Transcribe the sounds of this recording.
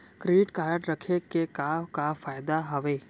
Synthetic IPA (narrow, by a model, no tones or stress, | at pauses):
kɾeɖɪʈkaːɾəʈɾəkʰekekakafaːjd̪aɦɐʋeː